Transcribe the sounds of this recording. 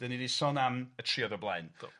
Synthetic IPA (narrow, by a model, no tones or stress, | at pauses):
d̥əninisɔnamətʰriːɔðəblˠajn